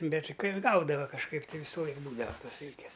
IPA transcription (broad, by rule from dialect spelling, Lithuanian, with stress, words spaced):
ˈbʲɛtʲ ˈkɐɪ ˈɡɐʊdɐʋɐ kɐʃˈkɐɪp tɐɪ ˈʋʲiːsʊ ˈlˠɐɪk ˈbuːdɐʋɐ ˈtoːs ˈsʲɪlʲkʲeːs